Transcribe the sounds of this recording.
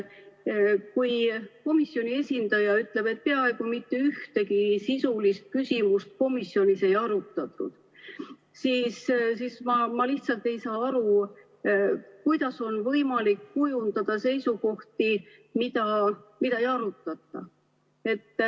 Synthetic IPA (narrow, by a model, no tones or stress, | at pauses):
kujko̞misːjo̞nʲie̞sʲind̪̥ɑjɑyt̪ˑle̞b̥e̞t̪̚ːpe̞ɑe̞ɡ̥umit̪ːe̞yht̪e̞kisisulist̪̚kysʲimust̪̚ko̞misːjo̞nʲise̞jɑɾut̪ːˑɑt̪ˑːṵd̪̥ | siːssismɑmɑliht̪sɑlt̪e̞jsɑːɑɾu | kujd̪̥ɑso̞nvɤjmɑlikːujund̪ɑd̪̥ɑse̞jsuko̞ht̪i | mid̪̥ɑmid̪̥ɑejɑɾut̪ːˑɑt̪ːˑɑ | e̞t̪ː